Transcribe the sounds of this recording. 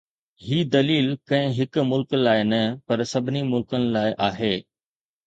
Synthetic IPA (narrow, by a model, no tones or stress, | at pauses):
ɦiːd̪ɐliːlkɐ̃ɦɪ̃ɦɪkmʊlklaːɪnɐpɐɾsɐbʱɪnimʊlkənɪ̆laːɪʔaːɦeː